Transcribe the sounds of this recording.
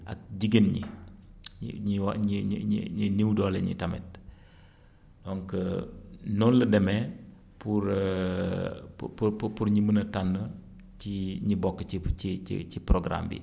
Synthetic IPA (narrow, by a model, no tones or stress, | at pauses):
ʔɐ̰k̚ɟiɡenɲḭ | ɲḭɲiwaɲiɲḭɲḭɲiniwdɔːlɛɲḭtɐmɛ̰t̚ | dɔŋkə | nɔnlədɛmɛ | puɾ | pupupupuɾɲimənɐtanːə | t͡ʃiɲibɔkːəiiḭt͡ʃiprɔɡɾa̰mbḭ